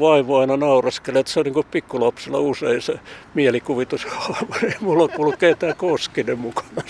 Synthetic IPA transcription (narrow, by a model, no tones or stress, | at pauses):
ʋɑiʋoɑinɑnɑurɑskelet̪seoniŋkuppikːulɑpselːˑɑ̰useinsemiælikuʋit̪ushɑɑʋuneimulːokkulːukkeːt̪æːkoskinemmukɑ̥nɑ